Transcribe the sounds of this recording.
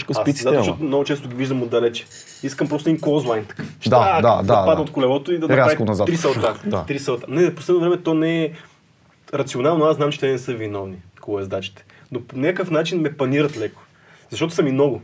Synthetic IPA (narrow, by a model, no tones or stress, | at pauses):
ʃkəsasiaɐʃtɔt̪omnɔɡʊt͡ʃɛst̪ʊɡʲiviʒd̪əmod̪ːɐlɛt͡ʃɛ̥ | iskəmpɾɔst̪ʊiŋkozlˠajnt̪ɐ̥kaʃd̪aad̪ad̪apad̪ot̪kʊlɛvɔt̪oid̪ɐnɐɾaɾaviknɐzat̪ɾisɐlˠt̪ad̪a̰t̪ɾisɐlˠt̪anɛfposlɛd̪ovɾɛmɛt̪ɔnɛɛ | ɾɐt̪sionalˠnoasnamt͡ʃɛ̥t̪ɛnɛsɤvinɔvnikolˠɛzd̪at͡ʃi̥t̪ɛ̥noponʲakəfnat͡ʃinmɛpɐniɾət̪lɛkʊ̥ | zɐʃtɔt̪ʊsɐmimnɔɡʊ